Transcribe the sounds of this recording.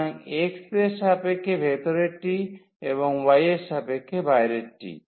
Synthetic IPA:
aŋekseʃapekʰːebʱet̪oɾeʈːi | eβoŋwajeʃapekʰːebajɾeʈːḭ

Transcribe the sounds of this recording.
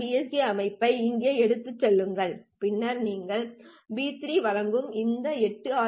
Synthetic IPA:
ijɛskiɐmɐɪpːɐɪɪŋɡɪjɐɛɽɯt̪ːɯt͡ʃːɛlːɯŋɡɐɭpɪnːɐɾniːŋɡɐɭ | biːt̪ɾiʋɐlɐŋɡɯmɪnd̪ɐɛʈːɯaː

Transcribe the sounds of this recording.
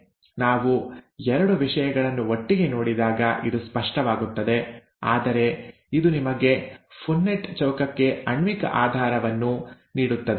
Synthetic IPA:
naːʋuɛɾɐɽuʋiʂɐjɐɡɐɭɐnːuoʈːiɡe̞noːɽid̪aːɡɐʔid̪uspɐʂʈɐʋaːɡut̪ːɐd̪e̞ | a̰ːd̪ɐɾe̞ | id̪unimɐɡe̞pʰunːeʈt͡ʃɐwkɐkːe̞ɐɳʋikɐ̰ʔaːd̪ʱaːɾɐʋɐnːu | niːɽut̪ːɐd̪e

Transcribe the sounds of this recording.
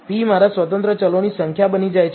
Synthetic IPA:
pimaɾasʋət̪ənt̪ɾət͡ʃəlonisəŋkʰjabənid͡ʒajt͡ʃʰ

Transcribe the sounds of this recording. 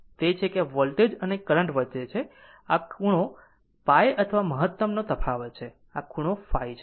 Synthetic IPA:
t̪et͡ʃʰekeʋɔlʈed͡ʒənekəɾəɳʈʋətːet͡ʃʰe | akʰuɽ̃o | pajʔət̪ʰəʋaməɦət̪ːəmnot̪əpʰaʋət͡ʃʰe | akʰuɽ̃ofajt͡ʃʰe

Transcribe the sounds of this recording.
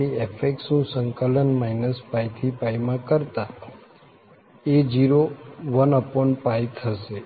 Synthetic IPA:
eefʰek̚ʈsnũsəŋkələnmainəspajt̪ʰipajmãkəɾt̪a | ed͡ʒiɾoʋənəpoɳʈpajt̪ʰəʃe

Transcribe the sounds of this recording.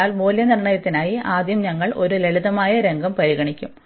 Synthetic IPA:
aːlmoːljɐnirɳɐːjɐt̪ːinaːjiaːd̪jɐmɲɐŋːɐɭʔo̞ɾuleɭuðɐmaːjɐɾe̞ŋɡʱɐmpɐɾiɣɐɳikʲːum

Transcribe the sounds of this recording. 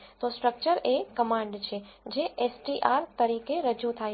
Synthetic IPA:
t̪osʈɾək̚t͡ʃəɾekːəmãɳɖt͡ɕʰed͡ʑeʔesʈiʔaːɾt̪ɐɾiːkeɾəd͡ʒut̪ʰa

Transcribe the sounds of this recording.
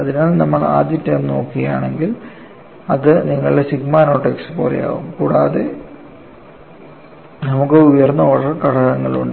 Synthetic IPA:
ɐðinaːlnɐmːɐɭa̰ːd̪jɐtːaːmno̞ːkːiɣɐjaːɳeŋɡil | ɐðɨniŋːɐɭiɽesiɡmaːnoːʈːeksɨpoːrḛja̰ːʋumkuːɽaːðe | nɐmukːɨujɐrnːɐʋɐɭɐrkɐɽɐɣɐŋːɐɭuɳɖɨ

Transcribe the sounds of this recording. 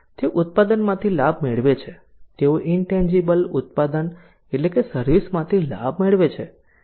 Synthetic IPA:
t̪eʔʊt̪̚pad̪ənmãt̪ʰilabʱmeɭʋet͡ʃʰe | t̪eoʔiɳʈɛ̃nd͡ʒibəlʊt̪̚pad̪ən | eʈlekesəɾʋismãt̪ʰila̰bʱmeɭʋet͡ʃʰe

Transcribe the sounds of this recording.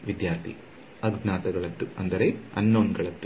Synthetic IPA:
ʋid̪jaːɾt̪ʰḭ | ɐɡnaːt̪ɐɡɐɭɐt̪ːuɐnd̪ɐɾeɐnːoːnɡɐɭɐt̪ːu

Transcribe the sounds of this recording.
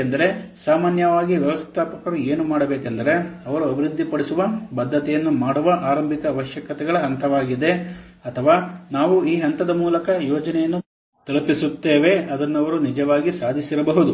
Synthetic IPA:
end̪ɐɾe̞saːmaːnjɐʋaːɡiʋjɛʋɐst̪ʰaːpɐkɐɾueːnumaːɽɐbeːkend̪ɐɾe̞ɐʋɐɾuɐbʱiɾud̪ʱːipɐɽisuʋɐbɐd̪ʱːɐt̪ɛjɐnːumaːɽuʋɐʔaːɾɐmbʱikɐːʋɐʃjɐkɐt̪ɛɡɐɭɐɐnt̪ʰɐʋaːɡid̪e̞ɐt̪ʰɐʋaːnaːʋuiːɦɐnt̪ɐd̪ɐmuːlɐkɐjɔːd͡ʒɐnɛjɐnːu | t̪ɐlɐpisut̪ːeːʋe̞ɐd̪ɐnːɐʋɐɾunid͡ʒɐʋaːɡisaːd̪ʱisiɾɐbɐɦud̪u

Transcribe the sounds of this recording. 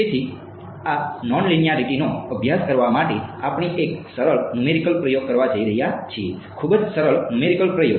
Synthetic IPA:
et̪ʰi | anɔnlinijaɾiʈinoəbʱjaskəɾʋamaʈeapɳ̃iʔeksəɾəɭnumeɾikəlpɾəjoɡ̚kəɾʋad͡ʒəiɾəɦjat͡ʃʰie | kʰubəd͡ʒsəɾəɭnumeɾikəlpɾəjo

